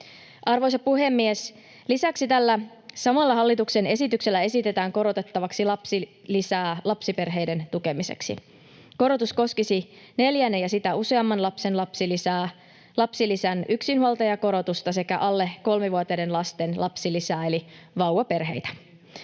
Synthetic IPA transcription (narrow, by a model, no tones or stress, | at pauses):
ʔɑrʋojsɑpuɦe̞mːies | lisæksit̪ælːæ | sɑmɑlːɑɦɑlːit̪ukse̞ne̞sit̪ykse̞lːæe̞sit̪e̞t̪æːŋko̞ɾo̞t̪et̪ːɑʋɑksilɑpsi | lisæːlɑpsipe̞rɦe̞jde̞nt̪uke̞mise̞̰ksḭ | ko̞ɾo̞t̪usko̞skisi | ne̞ljænːejɑsit̪æuse̞ɑmːɑnlɑpse̞nlɑpsilisæː | lɑpsilisænyksinhuɑlt̪ɑjɑko̞ɾo̞t̪ust̪ɑse̞kæʔɑlːe̞ko̞lmeʋuɑt̪ede̞nlɑst̪e̞nlʔɑpsilisæːe̞liʋɑuwɑpe̞rɦe̞̰jt̪æ̥